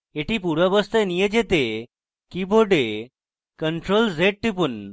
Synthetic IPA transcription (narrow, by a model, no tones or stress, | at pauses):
eʈiːpuɾəbəst̪enijed͡ʑet̪e | kiboɖe | kəɳʈɾold͡zeʈ̚ʈ̪ipun